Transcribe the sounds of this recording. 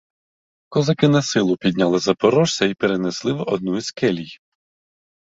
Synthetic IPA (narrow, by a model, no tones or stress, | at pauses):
kɔzɐkɪnɐsɪlˠʊpʲidʲnʲalˠɪzɐpɔɾɔʒsʲɐipeɾeneslˠɪʋʔɔd̪̚nuizkɛlʲij